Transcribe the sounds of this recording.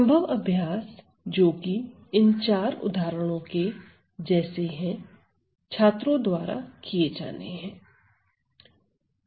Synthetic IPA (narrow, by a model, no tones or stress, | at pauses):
sɐ̃mbʱəʋɐbʱjaːs | d͡ʒoːki | ɪnt͡ʃaːɾʊ̰d̪ʱaːɾəɽ̃õke | d͡ʒɛːseɦɛ̃ | t͡ʃʰaːt̪ɾõd̪waːɾa̰kijed͡ʒa̰ːnḛɦɛ̃ː